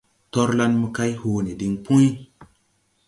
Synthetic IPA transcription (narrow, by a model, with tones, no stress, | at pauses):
tɔ˦ɾla˦nmə˨˧ka˦jho˨ne˨di˨ŋpu˦j